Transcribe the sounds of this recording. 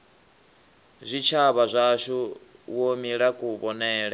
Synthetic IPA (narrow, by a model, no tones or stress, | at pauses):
zʷit͡ʃʰaβazʷaʃuwomiɺakʼuβɔnɛːɺa